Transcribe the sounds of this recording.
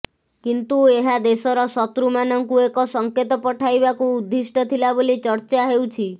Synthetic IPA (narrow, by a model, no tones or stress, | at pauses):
kint̪ueɦad̪esɔɾɔsɔt̪ɾumanɔŋkuekɔsɔŋket̪ɔpɔʈʰajbakuːd̪ʱːisʈɔt̪ʰilabolit͡ʃɔɾt͡ʃaɦewt͡ʃʰi